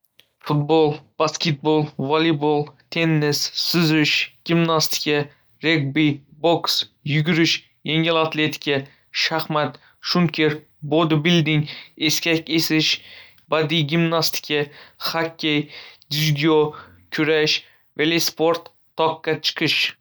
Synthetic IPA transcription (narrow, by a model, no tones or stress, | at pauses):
fʊt̪̚bolˠb̥askʲet̪̚bolˠvalibolˠt̪ʰe̞nːɪsːʊzʊʃɡ̥ʲimnast̪ɪ̥kʲa | ɾeɡ̚biboksjʊɡʲʊɾɪʃ | jeŋɪlat̪le̞t̪ʰɪ̥kʲʰa | ʃaχmat̪ | ʃʊnkʲʰeɾ | bod̪ɪbɪld̪ɪŋe̞skʲakʲesɪʃ | bad̪iɡʲimnast̪ʰɪ̥kʲʰahakʲʰːejd̪ʲɪvid̪ʲo | kʲʰʊɾaʃ | velespoɾt̪ʰː | ɒqːat͡ʃʰɨ̥qʰɨʃ